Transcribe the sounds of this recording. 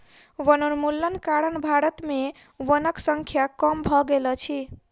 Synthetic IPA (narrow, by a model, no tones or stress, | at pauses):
ʋənənmulːənkaɾənbʱaɾət̪me | ʋənəksəŋkʰjakəmbʱɔɡelɔt͡ʃʰi